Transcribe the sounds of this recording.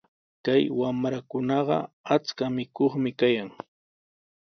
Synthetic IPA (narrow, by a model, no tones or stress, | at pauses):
kajwamɾakʊnɑɢɑ̰at͡skamɪkoχmɪkajaŋ